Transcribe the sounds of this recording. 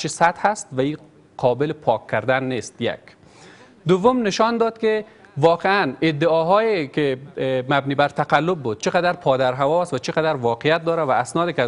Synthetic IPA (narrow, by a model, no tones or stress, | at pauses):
t͡ʃʰisat̪hast̪vaiː | qʰɒːbɪlɪpʰɒkʰːaɾd̪anːest̪ja̰k | d̪ʊvːʊmnɪʃɒnd̪ɒd̪kɪvɒqeanɪd̪ːɪɒɦɔjekɪmabniːbaɾt̪ʰaqalːʊb̚ːud̪̚t͡ʃʰɪqad̪aɾpʰɒːd̪aɾɦavɒst̪vat͡ʃɪqad̪aɾvɒqɪjat̪̚d̪ɒɾavaːsnɒːd̪ɪk